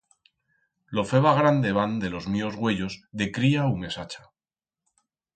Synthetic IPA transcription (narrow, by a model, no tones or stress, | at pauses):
lo̞fe̞βaɣ̞ɾand̪eβand̪elo̞zmiozɣwe̞ʎo̞zðe̞kɾiaume̞sat͡ʃḁ